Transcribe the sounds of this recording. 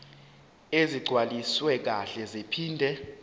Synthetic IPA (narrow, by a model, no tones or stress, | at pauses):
eziɡ͡ǀʱwaliswɛk̬aɬɛzepʰiːndʱɛ